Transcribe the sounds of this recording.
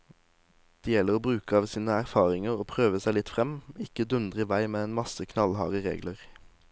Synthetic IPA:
d̪̥eːjɛləʁoːbʁʉːkəɑːʋsiːnəæʁfɑːʁɪŋəʁoːpʰʁøːʋəsæɪlɪt̪fʁɛmɪkəd̪ʉnd̪ʁɪʋæɪmeːeːnmɑsəkʰnɑlhɑ̰ːʁəʁḛːɡləʁ

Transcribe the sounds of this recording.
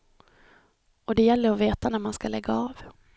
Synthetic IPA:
ɔd̪ɛjɛlːəɾɔveːt̪anæɾmanskalɛɡːaɑːv

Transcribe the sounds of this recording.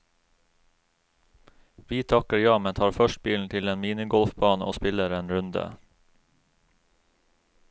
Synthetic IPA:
ʋiːt̪ʰɑkəjɑːmɛnt̪ʰɑːɾfœʃt̚biːln̩t̪ʰɪleːnmiːnɪɡɔlfbɑːno̰ːspɪləɾeːnɾʉnd̪ə̰

